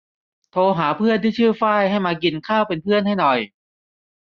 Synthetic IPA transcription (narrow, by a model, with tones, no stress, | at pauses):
t̪ʰoː˧ɦaː˩˦pʰɯ˥˩ənt̪ʰiː˥˩t͡ɕʰɯː˥˩faː˥˩jha˥˩jmaː˧ki˧nkʰaː˥˩wpe˧npʰɯ˥˩ənɦa˥˩jnɔ˨˩j